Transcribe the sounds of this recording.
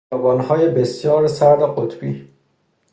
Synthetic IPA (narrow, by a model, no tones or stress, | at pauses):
ɒːbɒːnhɒːjebesjɒːɾsæɾd̪eɢot̪ʰb̥iː